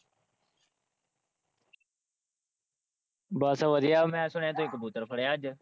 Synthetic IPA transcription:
baːsaːʋəd̪ijaːmɛ̃ːsʊɳẽːt̪õːɪkbuːt̪əɾpʰəɽeːaːd͡ʒ

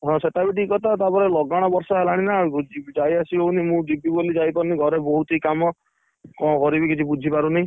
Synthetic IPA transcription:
ɦɔ̃seʈabiʈ̬ikɔt̪ʰat̪apɔɾelɔɡaɽ̃ɔbɔɾsɔɦelaɽ̃inad͡ʒid͡ʒajasiɦownimũɖibʱibolid͡ʒajpɔɾniɡʱɔɾebɔɦut̪ikamɔ | kɔ̃kɔɾibikit͡ʃʰibud͡ʒʱipaɾunaĩ

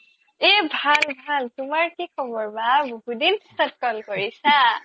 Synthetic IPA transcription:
ebʱalbʱaltumaɹkikʰɔbɔɹmaboɦudinsʌt̚kɔlkɔɹisʰa

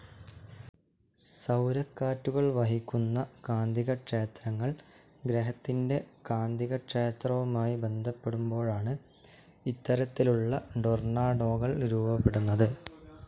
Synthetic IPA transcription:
sɐwɾɐkːaːtːuɣɐɭʋɐɦikʲːunːɐkaːnd̪ʱiɣɐʈʂeːt̪rɐŋːɐɭ | ɡɾeɦɐt̪ːinde̞kaːnd̪ʱiɣɐʈʂeːt̪rɐʋumaːjibe̞nd̪ʱɐpːe̞ɽumbo̞ːɻaːɳɨ | it̪ːɐɾɐt̪ːiluɭːɐɖornaːɖo̞ːɣɐɭɾuːbɐpːeɽunːɐðɨ

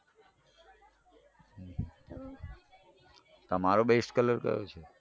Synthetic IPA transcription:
ɦ | t̪əmaɾobesʈkələɾkə̰jo̰t͡ʃʰe

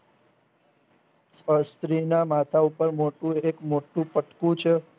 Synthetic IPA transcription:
səst̪ɾinamat̪ʰaupəɾmoʈũekmoʈũpəʈkũt͡ʃʰe

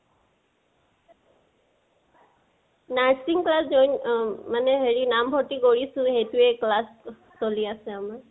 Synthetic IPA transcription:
naɹsiŋklaszojnmanɛɦeɹinambʱɔtikoɹisʊ̃hejtʊɛklas | soliasɛamaɹ

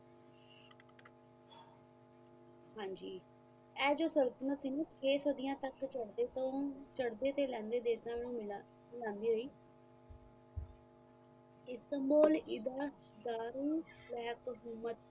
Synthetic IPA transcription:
ɦãːɲd͡ʒiː | ɛːd͡ʒoːsəɾət̪nət̪siːnẽːt͡ʃʰeːsəd̪ɪjãːt̪əkt͡ʃəɽd̪eːt̪õːt͡ʃəɽd̪eːt̪eːlɛ̃ːnd̪eːd̪eːsnãːmɛnũːm | mɪlãːnd̪iːɾəiː | ɪst̪əmboːlɪd̪aː | d̪aːɾuːbɛːɦəkɦʊmət̪

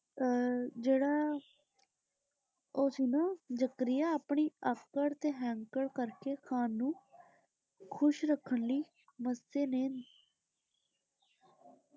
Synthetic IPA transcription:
d͡ʒeːɽaː | oːsinaːd͡ʒəkɾɪjaːaːpɳiːəkəɾt̪eːɦɛ̃ːŋkəɽkəɾkeːkʰaːnːũː | kʰʊʃɾəkʰːəɳliː | məseːneːn

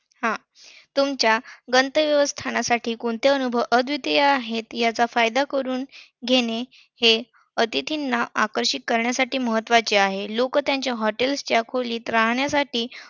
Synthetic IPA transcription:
hã | t̪umt͡ɕjaɡənt̪əʋjəʋəst̪ʰanasaʈʰiːkoɳt̪eənubʱəʋʔəd̪ʱʋit̪jeaɦet̪jat͡safajd̪akəɾuːnɡʱeɽ̃e | he | ət̪it̪ʰinːaa̰kəɾɕikːəɾɳjasaʈiːməɦət̪ːʋat͡ɕiaɦelokət̪jaɲt͡ɕjaɦɔʈelst͡ɕjakʰoliːt̪ɾaɦɳjasaʈiː

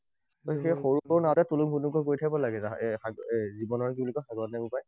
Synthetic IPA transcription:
otʰixexoɹubɔɹnawtɛtulumɡunukɔkoɹitʰaibɔlaɡɛzaxaɡzibɔnɔɹkiblikɔxaɡɔtnabupaj

